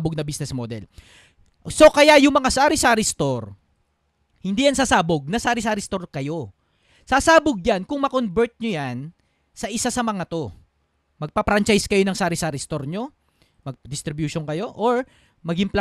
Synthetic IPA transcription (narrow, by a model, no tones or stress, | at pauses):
boɡ̚nɐbisnɛsmod̪ɛ̰l | so̞kɐjajʊŋmɐŋasaːɾɪsaːɾɪst̪oɾ | hɪnd̪iːjɐnsaːsaːboɡ̚nɐsaɾɪsaːɾɪst̪o̞ɾkɐjo̞ | sasaːboɡ̚jankʊŋmɐkonbɛɹt̪̚ɲojan | sɐʔɪsasɐmɐŋat̪o̞ | mɐɡ̚pɐpɾant͡ʃajskɐjo̞nɐŋsaːɾɪsaːɾɪst̪o̞ɾɲo̞ | mɐɡ̚d̪ɪst̪ɾɪbjuʃonkɐjo̞ʔoɹ | mɐɡɪmpla